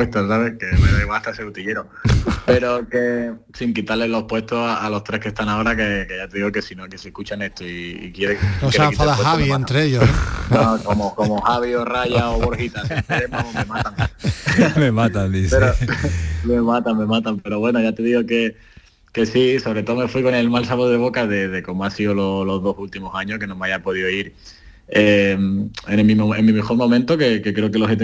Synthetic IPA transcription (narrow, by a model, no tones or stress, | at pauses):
pwet̪osaβekeweneβaht̪aeseut̪iʎe̞ɾope̞ɾo̞ke̞ | siŋkit̪aɾle̞lo̞hpwe̞st̪osaalo̞ht̪ɾe̞hke̞st̪aŋao̞ɾakekeʝat̪e̞ðiɣoke̞sinokese̞hkut͡ʃane̞st̪oiḭkje̞ɾenoseakifaeðaeɦaβiẽnt̪ɾeeʝonokomokomohaβioraʝaoβoɾhit̪ast̪eemome̞mat̪aŋ | memat̪and̪iθpeɾomemat̪aŋmẽ̞mat̪ampe̞ɾo̞βwe̞noʝat̪e̞ðiɣoke̞ | ke̞siso̞βɾe̞t̪o̞ðome̞fwiko̞ne̞lmalsaβoðe̞β̞o̞kaðe̞ðeko̞moasiololo̞ðo̞sult̪imosaɲohke̞nõmeajapo̞ð̞ioiɾ | ememĩmemːĩmexo̞ɾmõ̞mẽnt̪oke̞kekɾeokeloɦet̪e